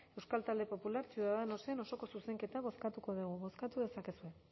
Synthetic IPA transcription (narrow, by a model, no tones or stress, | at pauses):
e̞wskalt̪ald̪e̞po̞pulaɾt͡siuðaðeno̞seano̞so̞ko̞suse̞ŋke̞t̪aβ̞o̞skat̪uko̞ðuɣuβo̞skat̪uðe̞sakesue̞